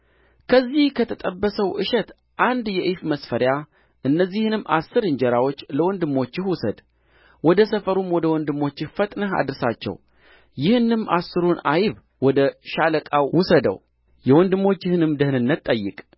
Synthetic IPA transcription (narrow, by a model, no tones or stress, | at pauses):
kʰəzːihkʰət̪ʰət̪ʼəbːəsəwʔɨʃɛt̪ | ʔand̪jɛʔɨfməsfəɾja | ʔɨnːəzːihnɨmːa̰sːɨɾɨɲd͡ʒɛɾawo̞t͡ʃːləwɔnd̪ɨmːo̞t͡ʃːɪhwʊsəd̪ | wɔd̪əsəfəɾumwɔd̪əwɔnd̪ɨmːo̞t͡ʃːɪhfət̪ʼnəɦa̰d̪ɨɾsat͡ʃːɛ̰w | jɪhɨnɨmːasːɨɾunajβ | wɔd̪əʃaləkʼawwusəd̪ə̰w | jɛwɔnd̪ɨmːo̞t͡ʃːɪhɨnɨmd̪əhnɨnːət̪t̪ʼːəjːɪ̰kʼ